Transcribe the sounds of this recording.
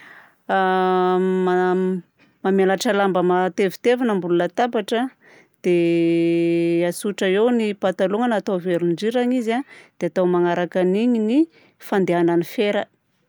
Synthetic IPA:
ma | mamalaʈ͡ʂəlambəmat̪evi̥t̪evanambulunət̪abaʈ͡ʂə | d̪̥e | asuʈ͡ʂəewnipat̪aluŋənat̪aveɾuɳɖ͡ʐiɾaɲizad̪̥eat̪awmaŋaɾakaniɲini | fand̪eananifeɾə

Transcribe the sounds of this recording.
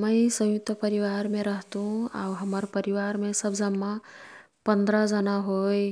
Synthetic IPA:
məisə̃jʊk̚t̪əpəɾiʋaːɾmẽɾəɦt̪ɦũa̰ɦəməɾpəɾiʋaːɾmẽsəbd͡ʒəmːa | pə̃nd̪ɾad͡ʒənaɦoːe

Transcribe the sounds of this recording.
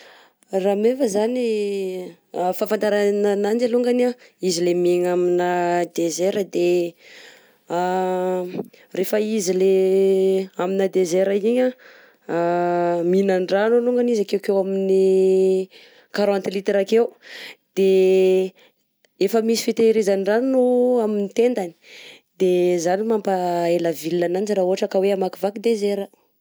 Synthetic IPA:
ramevəzani | fafant̪aɾananand͡ʒaluŋɡanaizilemeŋaminad̪ezeɾəd̪e | refəizile | aminad̪ezeɾaiɲa | minaɳɖ͡ʐanoluŋɡanizakewkewamini | kaɾãnt̪lit̪ɾakewud̪̥e | efəmisi̥fet̪eɾizanɖ͡ʐannoaminit̪end̪ani̥ | d̪̥ezanimambaeləvilnananid͡ʒiɾauaʈ͡ʂakəweamakivakid̪ezeɾə

